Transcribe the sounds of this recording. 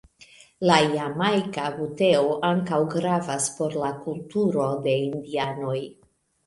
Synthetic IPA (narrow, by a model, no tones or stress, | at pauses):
lajamajkabute̞oʔaŋkawɡɾavaspo̞ɾlakultuɾo̞de̞indiano̞j